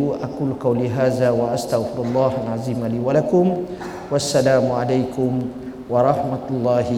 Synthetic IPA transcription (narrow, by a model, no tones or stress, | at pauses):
ʔakuːlqɑwliɦaːðaːwaʔast̪aɣfɪɾalˤːɑːhʔanʕaziːmaliːwalakʊm | wasːalaːmʕalajkʊm | wɑɾˤɑħmaʊlˤːɑːhɪ